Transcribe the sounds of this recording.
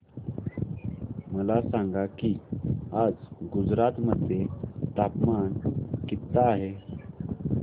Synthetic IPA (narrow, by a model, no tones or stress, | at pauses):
məlasaŋɡakiad͡zɡud͡zɾat̪məd̪ʱjet̪apmankit̪ːaːɦe